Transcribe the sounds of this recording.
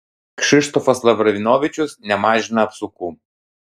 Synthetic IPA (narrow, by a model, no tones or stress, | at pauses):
kʃʲɪʃt̪ɔfɐslˠɐʋɾɐʋʲɪnoːʋʲɪt͡ʃʲʊsnʲɛmɑːʒʲɪnɐɐpsʊkuː